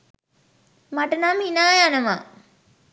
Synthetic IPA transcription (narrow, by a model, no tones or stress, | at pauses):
maʈənaminaːjanəʋa